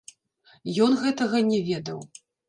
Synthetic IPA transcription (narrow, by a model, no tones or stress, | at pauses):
jɔnɣɛt̪ɐɣɐnʲɛvʲɛd̪ɐw